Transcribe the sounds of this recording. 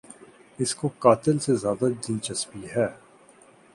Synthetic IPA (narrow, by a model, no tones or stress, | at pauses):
ɪskokaːt̪ɪlsezjaːd̪ad̪ɪnt͡ʃɐsbiɦɛː